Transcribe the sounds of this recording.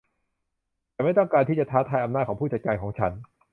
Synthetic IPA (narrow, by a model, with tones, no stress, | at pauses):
t̪ɛː˨˩ma˥˩jt̪ɔ˥˩ŋkaː˧nt̪iː˥˩t͡ɕa˨˩t̪ʰaː˦˥t̪ʰaː˧jʔa˧naː˥˩t̚kʰɔː˩˦pʰuː˥˩t͡ɕa˨˩kaː˧nkʰɔː˩˦ŋt͡ɕʰa˦˥n